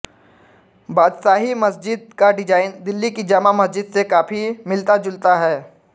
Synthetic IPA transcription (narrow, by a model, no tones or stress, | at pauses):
baːd̪saːɦimɐsd͡ʒɪd̪̚kaɖɪd͡ʒaːɪnd̪ɪlːikid͡ʒamamɐsd͡ʒɪd̪sekaːpʰimɪlt̪ad͡ʒʊlt̪aɦɛː